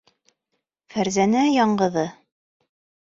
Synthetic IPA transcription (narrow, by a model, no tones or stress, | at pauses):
fæɾzænæjɑɴɢɤ̆ðɤ